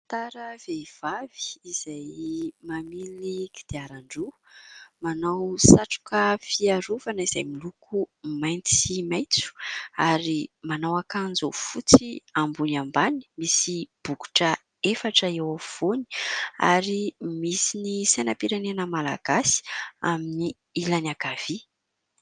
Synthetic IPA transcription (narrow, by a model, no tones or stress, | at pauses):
t̪aɾəveiv̥av̥i̥ːz̥ajmamiliɡid̪̥eaɾaɳɖ͡ʐu | manawsaʈ͡ʂu̥kəfiaɾuvanəiz̥ajmilukumajnt͡simajt͡su̥aɾimanawakanzofut͡siambunambani̥misib̥uku̥ʈ͡ʂə | efaʈ͡ʂəewav̥oni̥a̰ɾimisinisajnapiɾanenəmala̰ɡ̥asi̥a̰mini | ilanaɡ̥av̥i